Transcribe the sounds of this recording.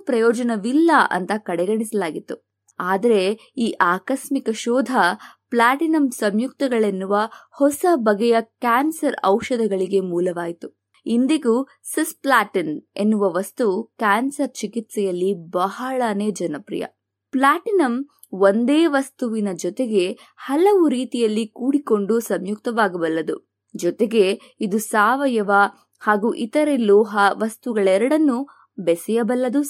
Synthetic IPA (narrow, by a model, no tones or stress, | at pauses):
pɾɐjɔːd͡ʒɐnɐʋilːɐʔɐ̰nt̪ɐkɐɽɛɡɐɳisɐlaːɡit̪ːu | aːd̪ɐɾe̞ | iːʔaːkɐsmikɐʃɔːd̪ʱɐplaːʈinɐmsɐmjuk̚t̪ɐɡɐɭe̞nːuʋɐhɔsɐbɐɡɛjɐkaːnsɐɾɐ̰wʃɐd̪ʱɐɡɐɭiɡe̞muːlɐʋaːjit̪u | ind̪iɡu | sisplaːʈine̞nːuʋɐʋɐst̪ukaːnsɐɾt͡ʃikit̪sɛjɐlːibɐɦɐɭɐneːd͡ʒɐnɐpɾḭjɐ̰ | plaːʈinɐm | ond̪eːʋɐst̪uʋinɐd͡ʒɔt̪eɡe̞ | hɐlɐʋuɾiːt̪ijɐlːikuːɽiko̞ɳɖusɐmjuk̚t̪ɐʋaːɡɐbɐlːɐd̪u | d͡ʒɔt̪eɡe̞ | id̪usaːʋɐjɐʋɐ | haːɡuʔit̪ɐɾelɔːɦɐʋɐst̪uɡɐɭɛɾɐɽɐnːu | bɛsɛjɐbɐlːɐd̪u